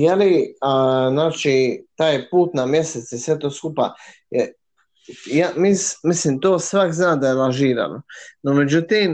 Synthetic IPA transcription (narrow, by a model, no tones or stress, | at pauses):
jeli | znaːt͡ʃit̪aːjpuːt̪namje̞set̪sjesʋet̪o̞ːskupa̰ | jamismislimt̪oːsʋakznaːd̪ajelaʒiːɾa̰nonomed͡ʑut̪im